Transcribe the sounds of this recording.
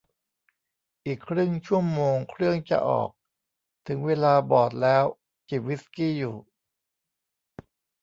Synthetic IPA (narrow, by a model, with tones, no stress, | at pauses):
ʔiː˨˩kʰːɾɯ˥˩ŋt͡ɕʰu˥˩əmoː˧ŋkʰɾɯ˥˩əŋt͡ɕa̰˨˩ʔɔ̰ː˨˩k̚ | t̪ʰɯ˩˦ŋweː˧laː˧bɔː˨˩t̪̚lɛː˦˥w | t͡ɕi˨˩p̚wi˦˥skiː˥˩juː˨˩